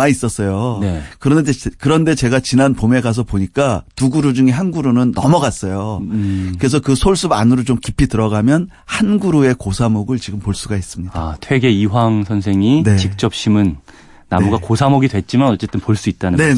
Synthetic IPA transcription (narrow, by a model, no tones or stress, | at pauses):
ais͈ʌs͈ʌjoekɯɾʌndkɯɾʌnde̞t͡ɕe̞ɡat͡ɕinanpome̞ɡas̬ʰʌpoɲik͈atuɡuɾud͡ʑuŋe̞ɦanɡuɾonɯnːʌmʌɡas͈ʌjokɯɾe̞s̬ʰʌkɯsʰoɭs͈uba̰nɯɾot͡ɕomkipʰitɯɾʌɡamjʌn | hanɡuɾoe̞kosʰamoɡɯɭt͡ɕiɡɯmpoɭs͈uɡais͈ɯmɲidatʰwe̞ɡe̞iwaŋsʰʌnsʰe̞ŋinet͡ɕik̚t͡ɕ͈ʌp̚ɕ͈imɯnː | amuɡakosʰamoɡidwe̞t̚t͡ɕ͈imanʌt͡ɕ͈e̞t͈ɯnpoɭs͈uit̚t͈anɯne